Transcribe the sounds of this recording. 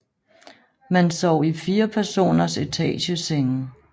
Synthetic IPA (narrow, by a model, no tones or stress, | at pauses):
mænsɒʊ̰ifiːɐpʰæɐso̝̰ːnɐse̝t͡sʰɛ̰ːɕəseŋ̩